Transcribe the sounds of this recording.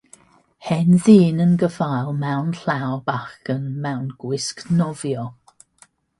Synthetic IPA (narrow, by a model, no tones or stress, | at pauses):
hɛnðiːnənɡəvajlˠmawnɬawbaxənmawnɡ̥wɪsknɔvjɔ